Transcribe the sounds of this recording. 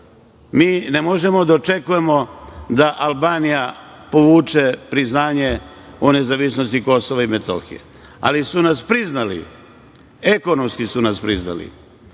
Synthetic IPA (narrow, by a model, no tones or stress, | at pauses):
miːnemo̞ʒe̞mo̞d̪aot͡ʃe̞kuje̞mo̞d̪aʔalˠbaːnijapo̞ʋuːt͡ʃe̞pɾiznaːɲe̞ | one̞zaʋisnost̪iko̞soʋaimet̪o̞̰xḭḛ | a̰lisunaspɾiznalḭ | e̞ko̞nomskisunaspɾizna̰lḭ